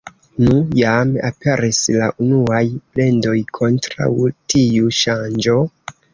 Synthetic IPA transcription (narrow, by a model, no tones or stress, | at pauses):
nujama̰pʰe̞ɾislaʔunuajple̞ndo̞jkʰo̞ntɾa̰wtʰiuʃand͡ʒo̞